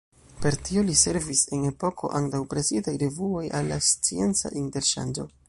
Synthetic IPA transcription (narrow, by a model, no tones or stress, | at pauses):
pe̞ɾtiolise̞ɾvise̞ne̞po̞kʰo̞̰ʔantawpɾe̞zidajɾe̞vuo̞jalːa̰st͡sie̞nt͡sa̰ʔinte̞ɾʃa̰nd͡ʒo̞̰